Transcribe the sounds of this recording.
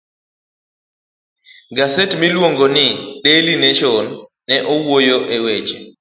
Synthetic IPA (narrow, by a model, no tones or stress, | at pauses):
ɡasetmilwoŋɡonɪɗelineʃɔnː | ɛʔowojoʔewet͡ʃe̥